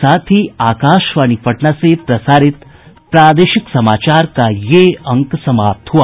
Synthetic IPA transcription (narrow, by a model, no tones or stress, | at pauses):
saːt̪ʰiaːkaːʃʋaːnipɐʈɳasepɾɐsaːɾɪt̪ | pɾaːd̪eːʃiksɐmaːt͡ʃaːɾkajeɐ̃ŋksɐmaːp̚t̪ɦuaː